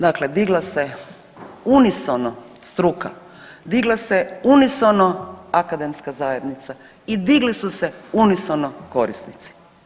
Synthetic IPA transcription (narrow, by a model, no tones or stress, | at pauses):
d̪akled̪iɡlˠase | unisonost̪ɾuka̰ | d̪iɡlˠaseunisonoakad̪emskazaːje̞d̪nit̪sa | id̪iɡlisuseunisonoko̞ɾisnit̪si̥